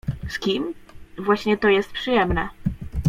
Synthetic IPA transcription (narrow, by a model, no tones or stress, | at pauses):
skʲimvwaɕɲɛt̪ɔjɛst̪̚pʂɨjɛmnɛ